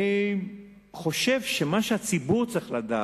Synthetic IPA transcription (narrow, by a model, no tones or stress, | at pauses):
χo̞ʃe̞vʃemaʃeat͡sibuʁt͡sʁiχlad̪aː